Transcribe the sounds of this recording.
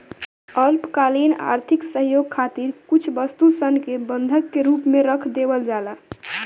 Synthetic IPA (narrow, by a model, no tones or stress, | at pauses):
əlpkalina̰ːɾt̪ʰiksəɦjoːɡ̚kʰat̪iɾkut͡ʃʰbəst̪usənkebənd̪ʱəkːeɾuːpmẽɾəkʰd̪ebəld͡ʒala